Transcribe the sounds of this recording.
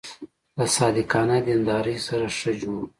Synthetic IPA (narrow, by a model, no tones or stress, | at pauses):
ləsɑːd̪ɪqɑnad̪ind̪ɑːɾəjsaɾaʂəd͡ʒoɽ